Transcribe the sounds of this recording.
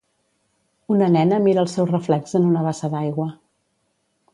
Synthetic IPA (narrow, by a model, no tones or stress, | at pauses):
unənɛnəmiɾəːlˠsɛwrəflɛkzənunəβasəðajɣwə